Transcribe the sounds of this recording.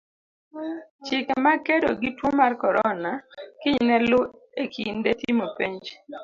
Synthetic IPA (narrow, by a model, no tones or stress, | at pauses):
t͡ʃɪkmakedo̰ɡɪtwomarkɔɾɔnakɪɲnɛlʊ | ekʰindetimopeɲd͡ʒ